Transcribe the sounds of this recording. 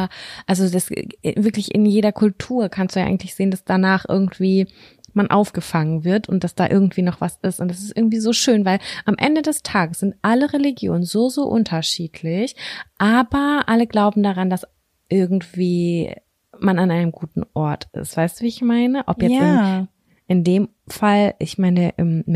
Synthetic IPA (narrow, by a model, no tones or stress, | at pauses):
ʔalzodasvɪɐklɪçɪ̰njeːɾɐkʰʊltʰuːɐkʰanstd̥ujaʔaɪɡŋ̩tlɪçz̥eːəndasd̥anaːχʔɪ̰ɐɡŋ̩tv̥iː | manʔa̰ʊfɡ̥əfaŋənvɪɐtʊntd̥asd̥aːʔɪ̰ɐɡŋ̩tv̥iːnɔχv̥asɪstʊntd̥as̬ɪstʔɪɐɡŋ̩tv̥iːzoːʃøːnvaɪlʔamʔɛ̰ndədɛstʰaːɡəsz̥ɪntʔaləʁeliɡjo̰ːnənzoːzoːʔʊ̰ntʰɐʃiːtʰlɪçʔaːbɐʔaləɡlaʊbm̩daʁandas | ʔɪɐɡŋ̩tv̥iː | mananʔaɪnəmɡuːtn̩ʔɔɐtɪ̰stv̥aɪstd̥uviːɪçmaɪnəʔɔpjɛɪ | ʔɪndeːm | falʔɪçmaɪnəʔɪm